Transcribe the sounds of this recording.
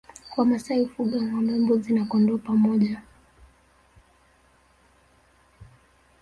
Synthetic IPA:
kwamasaifuɡaŋamɛmbɔzinakɔndɔpamɔʄa

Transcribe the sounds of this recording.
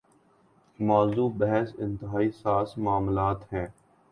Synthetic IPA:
maːzuːbɛɦɛsɪ̃nt̪ɪɦaːisaːsmaːmlaːt̪ɦɛ̃ː

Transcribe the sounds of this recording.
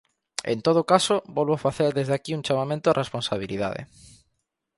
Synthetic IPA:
ḛnt̪oð̞okasobɔlβoafaθeɾðezðakiunt͡ʃamamẽnt̪ʊarʔesponsaβ̞iliða̰ðḛ

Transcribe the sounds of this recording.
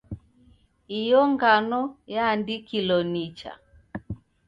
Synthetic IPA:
ijɔŋɡanɔjaːndikilɔnit͡ʃa̰

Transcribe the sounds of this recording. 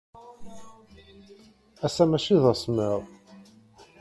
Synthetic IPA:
æsæmæʃiðˤæsməʁˤ

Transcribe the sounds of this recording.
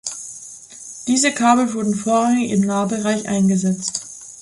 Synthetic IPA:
d̥iːzəkʰaːbl̩vʊɐdn̩foːɐʁaŋɪçɪmnaːəbəʁaɪçʔa̰ɪnɡəzɛt͡st

